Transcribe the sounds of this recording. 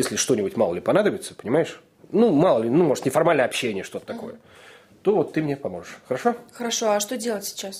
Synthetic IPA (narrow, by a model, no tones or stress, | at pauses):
jesʲlʲɪʂt̪o̞nʲɪbʊtʲmalˠəlʲɪpɐnad̪əbʲɪt̪sə̥pənʲɪmajɪʂ | numalˠəlʲɪnumo̞ʐɨt̪nʲɪfɐrmalʲnəɐpɕːenʲɪjəʂt̪o̞t̪ə̥t̪ɐko̞̰jə̰ | t̪o̞vot̪ːɨmnʲepɐmo̞ʐɨʂxəɾɐʂo̞xəɾɐʂo̞ɐʂt̪o̞dʲelˠətʲsʲɪ̥t͡ɕas